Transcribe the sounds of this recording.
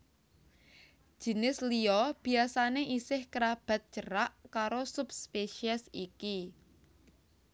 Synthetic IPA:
d̥ʒ̥i̤nɪsliɔb̥i̤asaneʔisɪhkəɾab̥a̤t̪̚t͡ʃəɾaʔkaɾosupspeʃiɛsiki

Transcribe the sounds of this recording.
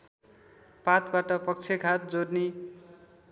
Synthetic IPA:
pat̪baʈʌpʌk̚t͡sʰeɡʱat̪̚d͡zorni

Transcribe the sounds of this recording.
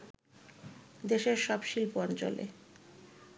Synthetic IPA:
d̪eʃeɾʃɔbʃilpoɔnt͡ɕo̰lḛ

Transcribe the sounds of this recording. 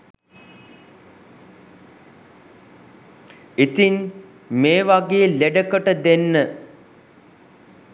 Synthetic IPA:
it̪in | meːʋaɡejəleɖəkəʈəd̪enːə

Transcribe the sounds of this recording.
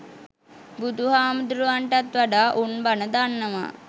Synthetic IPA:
bud̪uɦaːmud̪ɾuʋaɳʈat̪ʋaɖaːʔunbanəd̪anːəma̰

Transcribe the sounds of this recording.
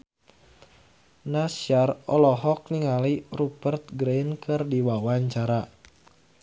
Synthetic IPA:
nasjarɔlɔɦɔk̚niŋalirupərt̪̚ɡɾejnkʰɨrdiwawaɲt͡ʃaɾa

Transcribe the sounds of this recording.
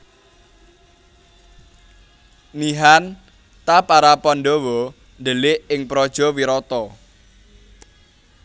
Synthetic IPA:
niɦan | t̪apaɾapɔnɖɔwɔ | nɖəlɪʔɪŋpɾɔd̥ʒ̥ɔ̤wiɾɔt̪ɔ

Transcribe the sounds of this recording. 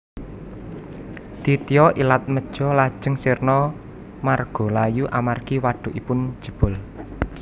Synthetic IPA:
d̪̥it̪ijɔʔilat̪̚məd̥ʒ̥ɔlad̥ʒ̥ə̤ŋsirnɔ | marɡ̥ɔ̤lajuʔamarkiwaɖ̥ʊ̤ʔipʊn̥ʒ̥ə̤b̥ʊ̤l

